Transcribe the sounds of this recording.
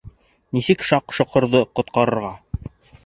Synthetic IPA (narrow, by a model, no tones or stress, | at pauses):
nisɘkʃɑqʃŏqɤ̆ɾðɤqŏt̪̚qɑɾɤ̆ɾʁɑ